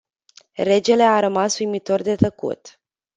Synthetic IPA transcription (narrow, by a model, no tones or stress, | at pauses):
re̞d͡ʒe̞le̞aɾəmasujmit̪o̞rd̪e̞t̪əkṵt̪